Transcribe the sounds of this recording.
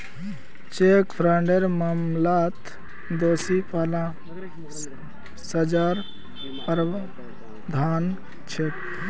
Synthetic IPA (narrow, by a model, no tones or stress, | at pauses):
t͡ʃekpʰɾaɳɖeɾmamlat̪ | d̪oːsipaːlã | səd͡ʒaɾ | pɾ | d̪ʱaːn | t͡ʃʰet̪